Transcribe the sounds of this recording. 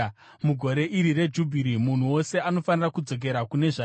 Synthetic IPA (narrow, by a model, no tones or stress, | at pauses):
muɡʱo̞ɾe̞ʔiɾire̞d͡ʒubʱiɾimun̤uwo̞se̞ano̞fanirakud͡zo̞k̬e̞ɾakune̞ʐa